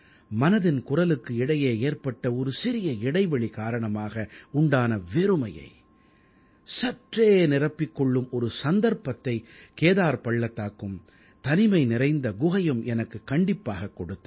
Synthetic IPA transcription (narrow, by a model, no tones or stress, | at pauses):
mɐnɐðɪnkʊrɐlɯkːɯɪɽɐjeːeːrpɐʈːɐɔɾɯsɪɾɪjɐɪɽɐɪʋɐɭikaːɾɐɳɐmaːɣɐʊɳɖaːnɐʋɛɾɯmɐjɐ̰ɪ | sɐʈreːnɪrɐpːɪkːɔɭːɯmɔɾɯsɐnd̪ɐɾpɐt̪ːɐɪkeːðaːɾpɐɭːɐt̪ːaːkːɯm | t̪ɐnɪmɐɪnɪrɐɪnd̪ɐɡʊɣɐjɯmɛnɐkːɯkːɐɳɖɪpːaːɣɐkːɔɽɯt̪ː